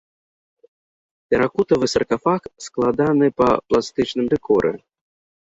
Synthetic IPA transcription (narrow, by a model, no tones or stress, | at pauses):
tʲɛɾakut̪ɐvɨsɐrkafaksklˠad̪anɨpɐ̰plˠast̪ɨt͡ʃnɨmd̪ɛkʰɔɾɛ̰